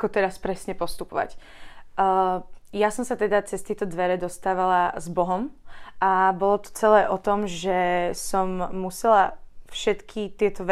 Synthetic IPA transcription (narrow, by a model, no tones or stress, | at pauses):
kɔt̪ɛɾaspɾɛsɲɛpɔst̪upɔʋa̰cː | jasɔmsat̪ɛd̪at͡sɛst̪ɪɛt̪ɔd̪ʋɛɾɛd̪ɔst̪aːʋalazbɔɦɔmʔabɔlɔt̪ɔ̥t͡sɛlɛːʔɔt̪ɔmʒɛsɔmːusɛlafʃɛt̪kʰit̪ɪɛt̪ɔʋ